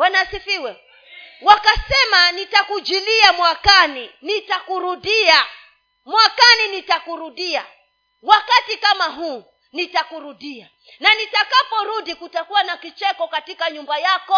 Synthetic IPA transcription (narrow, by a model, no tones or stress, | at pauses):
wanasifiwɛ | wakasɛmanitakud͡ʒiliamwakaninitakuɾuɗia | mwakaninitakuɾuɗia | wakatikamaɦuː | nitakuɾuɗia | nanitakapɔɾuɗikutakuwanakit͡ʃɛkɔkatikaɲumbajakɔ